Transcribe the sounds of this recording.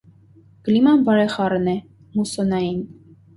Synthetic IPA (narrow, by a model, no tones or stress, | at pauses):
ɡ̥limɑnbɑɾɛχɑɾnɛ | musɔnɑjin